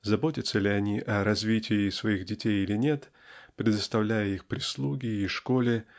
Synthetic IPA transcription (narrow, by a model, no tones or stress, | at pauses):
zɐbo̞tʲɪt̪səlʲɪɐnʲiʔɐɾɐzvʲitʲɪːsvɐiɣdʲɪtʲejilʲɪnʲe̞t̪ | pɾʲɪd̪əst̪ɐvlʲæjəixpɾʲɪslˠuɡʲɪiʂko̞lʲɪ